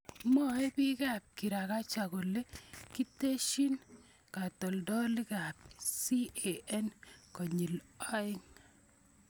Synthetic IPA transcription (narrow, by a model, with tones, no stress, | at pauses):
mɔ˦e˦pi˦ka˦p̚ki˨ɾa˨ka˦t͡ʃa˨ko˨le˦ki˦te˦ʃi˦n | ka˨tɔ˨ldɔ˦lɪ˦ka˨p̚si˦e˨ɛ˦nkɔ˨ɲi˨lɔ˦ɪ˦ŋ